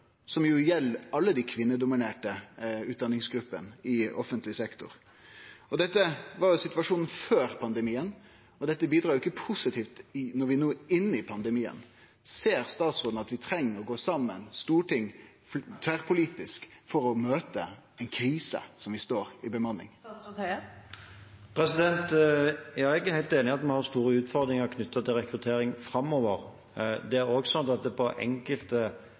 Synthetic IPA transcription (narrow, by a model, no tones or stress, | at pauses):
sɔmjʊjɛlːɑlːəd̪ækʰʋɪnːəd̪ʊmɪneːʈəʉːd̪ɑnːɪŋsɡɾʉpːə̰nɪɔfənt̪lɪsɛkt̪ʊ̰ɾ | ɔd̪ɛt̪ːəʋɑɾjʊsɪt̪ʋɑʂuːnn̩føːɾpʰɑnd̪əmiːən | ɔd̪ɛt̪ːəbiːd̪ɾɑːjʊɪkːəpʰʊsɪt̪ʰiːft̪ɪnɔɾʋɪnuːɪnːɪpʰɑnd̪əmiːə̰n | seːɾst̪ɑːt̪sʁoːd̪n̩ɑt̪ʋɪt̪ʰɾɛŋːəɾɔɡoːsɑmːənst̪uːʈɪŋː | ft̪ʰʋæːʁpʰʊliːt̪ɪskfɔɾɔmøːt̪ə̰ | ɛɪnkʰɾiːsə̰sɔmʋɪst̪oːɾɪbəmɑnːɪ̰ŋ | pʰɾɛsɪd̪ɛnt̪jɑːɛɡæɾhæɪlt̪eːnɪɑt̪mɛhɑɾst̪uːɾəʉːt̪fɔɾd̪ɾɪŋəʁkʰnʏt̪ːɑt̪ʰɪlʁɛkɾʉt̪ʰeːɾɪŋfɾɑmoːʋəɾ | d̪ɛæɾoːɡsɑnt̪ɑt̪̚d̪ɛpʰɔʔɛ̰ŋkəlt̪ə